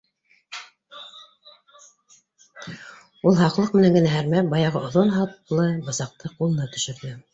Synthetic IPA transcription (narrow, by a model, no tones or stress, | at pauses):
ulˠɦɑqlˠɤq̚mɘ̆næŋɡɘ̆næɦæɾmæbɑjɑʁɤʔŏðonɦɑt̪lˠɤbɤ̆sɑq̚t̪ʰɤqulˠɤ̆nɑt̪ɵ̆ʃɘ̆ɾðɘ